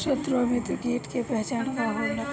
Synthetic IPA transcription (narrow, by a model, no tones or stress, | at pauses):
ʃət̪ɾomẽt̪ukeːʈkepɛɦt͡ʃaːnkaɦona